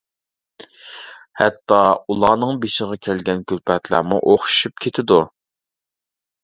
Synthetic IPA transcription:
hɛt̪ːɑulˠɑːnɨŋbeʃɪʁɑkʲʰælɡʲɛnkʲʰylpʰɛt̪ʰlæ̰ɾmṵʔoχʃu̥ʃyp̚kʲʰet̪ʰɪd̪u

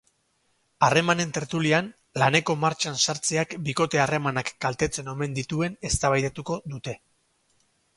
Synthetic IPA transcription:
are̞mane̞nt̪e̞ɾt̪ulian | lane̞ko̞maɾt͡ʃansaɾt͡seakbiko̞t̪e̞are̞manakːɡalt̪e̞t͡se̞no̞me̞nd̪it̪ue̞ne̞st̪aβajðet̪uko̞ðut̪e̞

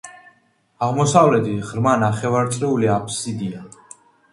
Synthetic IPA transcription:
aʁmɔsavlɛd̪ʰiʁɾmanaχɛvaɾt̪sʼɾɛuliapʰsid̪ia

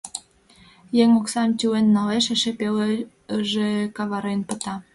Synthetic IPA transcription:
jeŋoksɑmt̪ʲuenːɑleʃeʃepel | ʒekɑβɑɾenpə̆t̪ɑ

